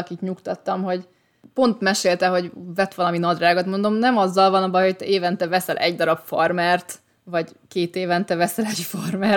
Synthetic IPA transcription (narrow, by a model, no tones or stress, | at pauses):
kit̪ɲukt̪ɒt̪ːɒmɦo̞ɟ | po̞nt̪mɛʃeːlt̪ɛɦo̞ɟvɛt̪ʋɒlɒminɒd̪raːɡot̪mo̞nd̪o̞mnɛmɒzːɒlvɒnɒbɒjho̞c̚t̪ɛeːvɛnt̪ɛvɛsɛlʔɛ̰ɟd̪ɒɾɒpformɛrt̪ | vɒɟkeːt̪eːvɛnt̪ɛvɛsɛlɛɟformɛ